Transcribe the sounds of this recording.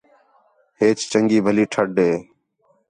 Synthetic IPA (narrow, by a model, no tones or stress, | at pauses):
ɦeːt͡ʃt͡ʃəŋɡiːbʱəliːʈʰəɖʱeː